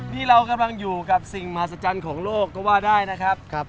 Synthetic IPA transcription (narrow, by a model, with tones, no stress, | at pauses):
nʰiː˥˩ɾa˧wka˧mla˧ŋjuː˨˩ka˨˩p̚si˨˩ŋma˧ha˨˩t̪̚sa˧t͡ɕa˧nkʰɔː˩˦ŋloː˥˩kːɔː˥˩waː˥˩daː˥˩jna˦˥kʰɾa˦˥pp̚